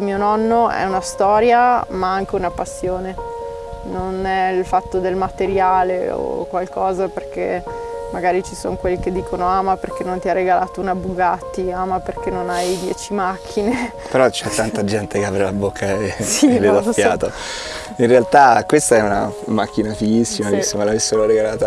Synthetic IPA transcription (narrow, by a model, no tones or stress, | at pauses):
miːonɔnːoɛ̰unast̪ɔːɾjamaaŋk̟eunapasːjoːne | nonɛilfat̪ːod̪elmat̪eɾjaːleo̰kwalkɔːzaperk̟ḛ | maɡaːɾit͡ʃiso̰ŋkwelːiked̪ːiːkonoaːmaperk̟enːont̪iarːeɡalaːt̪ounabuɡat̪ːiaːmaperkenːonajd̪jɛ̰ːt͡ʃimakʰːine | peɾɔt͡ʃɛt̪ːant̪ad͡ʒɛnt̪ekeapɾelabokːaesilːed̪afjaːt̪o | inrealt̪akwest̪aɛuna̰makːinafiɡisːimaisːomalavesːeɾoɾeɡalaːt̪a